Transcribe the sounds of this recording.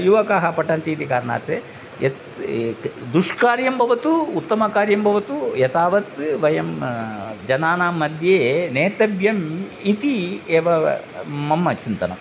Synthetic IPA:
juʋɐkaːɦɐpɐʈɐnt̪iːt̪ikaːɾɐna̰ːt̪eː | jet̪ | d̪uʂkaːɾjɐmbʱɐʋɐt̪uːt̪ːɐmɐkaːɾjɐmbʱɐʋɐt̪ujɐt̪aːʋɐt̪ʋɐjɐm | d͡ʒɐnaːnaːmːɐd̪ʱjeːneːt̪ɐbjɐmit̪ieːʋɐ | mɐmːɐt͡ʃint̪ɐnɐ̰m

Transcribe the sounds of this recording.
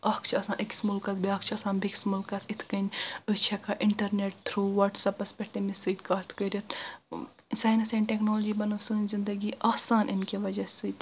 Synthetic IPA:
ɐkʰt͡ʃʰɐsãːʔikʲsmulkɐsbiaːk̚t͡ʃʰɐsãːnbiksmulkɐsit̪ʰkɐnʲɨst͡ʃʰekʰɐʔɪɳʈɐɾneːʈ̚t̪ʰɾuːʋɐʈsɐpɐspʲɛk̚ʈimisɨt̪ʲkaːt̪ʰkəɾʲɐt̪ | saːjnɐsẽɳʈeknoːlod͡ʒiːbɐnɐʋsɨːnʲzind̪ɐɡiʔaːsaːnʔɪnkeʋɐd͡ʒɐsɨt̪

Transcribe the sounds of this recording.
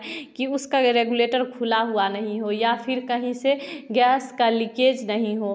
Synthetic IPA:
kiʊskaɾeɡuleːʈəɾkʰulaɦuanəɦĩɦojapʰɪɾkəɦĩseɡɛːskalɪked͡ʒnəɦĩɦo

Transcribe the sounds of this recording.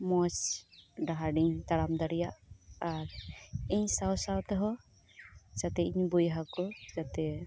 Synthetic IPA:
mɔt͡ʃɖaɦaɖiɲt̪aɽamd̪aɽijaʔaɾɛɲsawsawt̪ɛɦɔ | t͡ʃat̪ɛiɲbujɦakɔd͡ʒat̪ɛ

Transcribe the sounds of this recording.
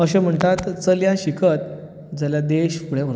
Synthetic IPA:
əɕem̤əɳt̪at̪t͡səljaɕikʰət̪̚ | d͡zəljad̪eɕpuɽeə

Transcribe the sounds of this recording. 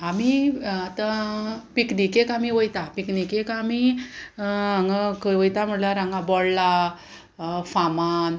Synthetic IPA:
amiat̪apiknikekamiʋojt̪apiknikekami | ãŋɡakəʋojt̪am̤əɽlaɾãŋɡabɔɽla | faman

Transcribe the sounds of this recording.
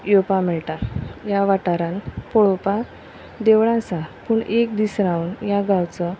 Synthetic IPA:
jopamɛɭt̪ajaʋaʈaɾãnpɔɭopa | d̪eʋɭãsapuːɳekd̪isɾãwnjaɡawt͡sə

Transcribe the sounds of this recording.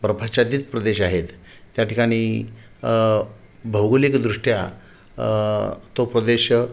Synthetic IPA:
bɾəpʰat͡ɕad̪it̪pɾəd̪eɕaɦet̪ː | jaʈikaɽ̃iː | bʱəwɡolekd̪ɾuʂʈja | t̪opɾəd̪eɕ

